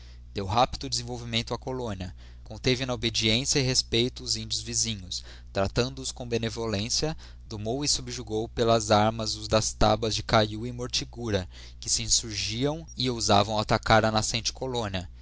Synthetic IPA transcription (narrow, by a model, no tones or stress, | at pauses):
d̪̥ewɦapid̪ʊd͡ʒɪzẽvowvimẽnt̪ʊakolõniɐ | kõnt̪evɪnɐobed͡ʒiẽsjɐɪɦespejt̪ʊʊzĩnd͡ʒiʊzvizĩɲʊs | t̪ɾat̪ɐ̃nd̪ʊʊskõbenevolẽsiɐ | d̪omowɪsubɾɪʒuɡowpelɐzaɾmɐzʊzd̪ɐst̪abɐzd͡ʒɪkajuĩmoɾt͡ʃiɡuɾɐ | kɪsɪĩsuɾʒiɐ̃w̃ɪowza̰vɐ̃w̃at̪akaɾɐnasẽnt͡ʃɪ̥kolõniɐ